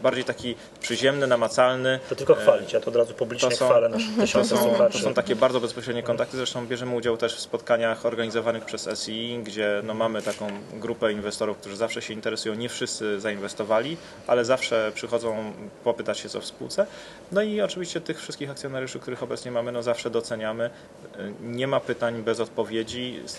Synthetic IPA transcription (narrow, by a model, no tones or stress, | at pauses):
baɾd͡ʑejt̪akʲi | pʂɘʑɛmnɘnamat̪salnɘt̪ɔt̪ɪlkɔxfalʲit͡ɕt̪ɔːd̪ɾazupublʲiɔɲɛsɔ̃alɛnaʂɔsɔ̃wat̪ɔsɔ̃w̃t̪akʲɛbaɾd̪zɔbɛspɔɕɾɛd̪ɲɛkɔnt̪ak̚t̪ɘzɾɛʂt̪ɔ̃w̃bʲjɛʐɛmɘud͡ʑawt̪ɛʂfspɔt̪kaɲaxɔɾɡaɲizɔvanɘxpʂɛzɛ̰siɡd͡ʑɛnɔmamɘt̪akɔ̃w̃ɡɾupɛinvɛst̪ɔɾufkt̪uʐɘzafʂɛɕɛint̪ɛɾɛsujɔ̃w̃ɲɛfʂɘst̪sɘzainvɛst̪ɔvalʲi | ʔalɛzafʂɛpʂɘxɔd̪zɔ̃w̃pɔpɘt̪at͡ɕɕɛt̪sɔ̰fspṵwt̪sɛ | nɔiɔt͡ʂɘvʲiɕt͡ɕɛt̪ɘxfʂɘst̪kʲixakt̪sjɔnaɾjuʂɘkt̪uɾɘxɔbɛtsɲɛmamɘnɔzafʂɛd̪ɔt̪sɛɲamɘ | ɲɛmapɘt̪aɲbɛzɔt̪̚pɔvʲjed͡ʑi